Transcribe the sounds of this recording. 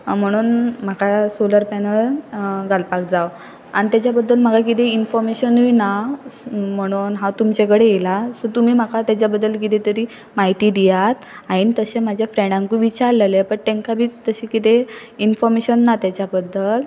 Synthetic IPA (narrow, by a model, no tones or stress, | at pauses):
m̤əɽ̃uːnm̤akasoləɾpɛnəɭɡalpak̚d͡zaw | anit̪jat͡ɕjabəd̪ʱːəlm̤əkak̬it̪einfɔɾmeɕənujna | m̤əɽ̃uːnɦãt̪umt͡ɕekəɽejelasɔt̪um̤iːm̤akat̪jat͡ɕjabəd̪ːəlk̬it̪ẽt̪əɾiː | maɦit̪iːd̪ijat̪ainit̪əɕemad͡ʑʱjafɾɛɳɖãŋkuʋit͡ɕaɾlelepəɳt̪ẽŋkabʱiːt̪əɕikit̪einfɔɾmeɕənːat̪jat͡ɕjabəd̪ʱːəl